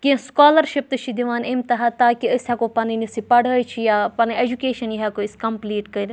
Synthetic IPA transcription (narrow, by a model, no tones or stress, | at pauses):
kĩskaːlɐɾʃip̚t̪ɨʃʰid̪iʋaːnemt̪ɐɦaːt̪aːkiəsɐkopɐninisipɐɽəːt͡ʃʰijapɐnied͡ʒukeːʃɐnjiɦɐkoɪskɐmpliːʈkɐɾʲ